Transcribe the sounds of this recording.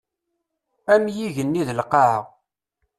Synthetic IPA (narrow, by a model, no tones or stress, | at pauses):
æmjiʝənːiðəlqɑʕə̰ʁ